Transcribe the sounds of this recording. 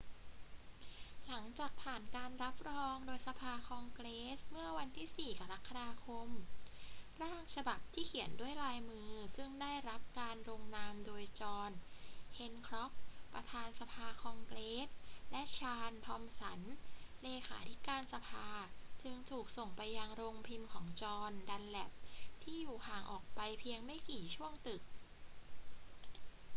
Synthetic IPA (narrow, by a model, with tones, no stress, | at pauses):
la˩˦ŋt͡ɕaː˨˩k̚pʰaː˨˩nkaː˧nɾa˦˥p̚ɾɔː˧ŋdoː˧jsa˧pʰaː˧kʰɔː˧ŋkɾeː˦˥smɯ˥˩ɐwa˧nt̪ʰiː˥˩siː˨˩ka˧ɾa˦˥kʰːa˧ɾaː˧kʰo˧m | ɾaː˥˩ŋt͡ɕʰa˧ba˨˩p̚t̪ʰiː˥˩kʰi˩˦əndu˥˩əjlaː˧jmɯː˧sɯ˥˩ŋdaː˥˩jɾa˦˥p̚kaː˧nɾo˧ŋnaː˧mdoː˧jt͡ɕɔː˧nhe˧nkʰɾɔ˦˥p̚ːɾa˧t̪ʰaː˧nsa˧pʰaː˧kʰɔ˧ŋkleː˦˥t̪̚lɛ˦˥ʔt͡ɕʰaː˧nt̪ʰɔː˧msa˩˦nleː˧kʰaː˩˦t̪ʰi˦˥kaː˧nsa˧pʰaː˧t͡ɕɯ˧ŋt̪ʰuː˨˩k̚so˨˩ŋpa˧jːa˧ŋɾoː˧ŋpʰi˧mkʰɔː˩˦ŋt͡ɕɔː˧nda˧nlɛ˨˩p̚t̪ʰiː˥˩juː˨˩haː˨˩ŋʔɔ̰ː˨˩k̚pa˧jpʰi˧əŋma˥˩jkiː˨˩t͡ɕʰu˥˩əŋt̪ɯ˨˩k̚